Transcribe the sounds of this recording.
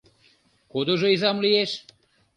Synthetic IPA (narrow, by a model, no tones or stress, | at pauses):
kod̪oʒoizamlieʃ